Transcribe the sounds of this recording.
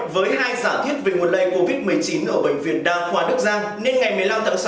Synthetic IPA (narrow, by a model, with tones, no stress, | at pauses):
vəː˨˦jhaː˧jzaː˧˩t̪ʰwi˦˥ət̚ve˨˩mo˨˩t̚ɗə˧jko˧vi˦˥t̚mɨ˨˩əjt͡ɕi˨˦nʔəː˧˩ɓə̈˧˩ŋ̟vḭ˧˩ənɗaː˧ŋxwaː˨˦ɗɨ˦˥k̚zaː˧ŋne˧nŋa˨˩jmɨ˨˩əjla˧mt̪ʰa̰˧˩ŋs